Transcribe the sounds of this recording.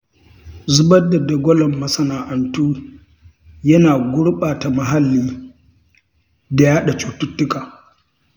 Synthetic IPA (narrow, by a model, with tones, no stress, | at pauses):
zʊ˦bɐ˦dɐ˨da˨ɡʷɔ˦lɔ˨mːɐ˦sɐ˦naː˨ʔɐ˨ntuː˦ | jɐ˦naː˨ɡʷʊ˦ɽɓaː˨ta˨mɐ˨ɦa˦lːiː˦ | da˨jaː˦ɗa˨t͡ʃuː˨tʊ˦tːʊ˦kaː˨